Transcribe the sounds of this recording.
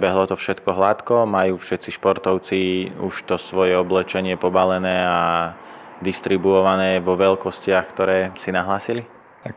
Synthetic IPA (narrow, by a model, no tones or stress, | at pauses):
bɛɦlɔt̪ɔfʃɛt̪kɔɦlat̪kɔmajuːfʃɛt̪t͡siʃpɔɾt̪ɔʊt͡siuʃt̪ɔsʋɔjɛɔblɛt͡ʃɛɲɪɛpɔbalɛnɛːa | d̪ist̪ɾibuɔʋanɛːʋɔʋɛlkɔscɪaxkt̪ɔɾɛːsinaɦlaːsili | a